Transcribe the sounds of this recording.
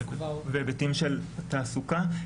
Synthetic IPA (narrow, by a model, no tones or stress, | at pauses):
vebetimʃelt̪aːsuka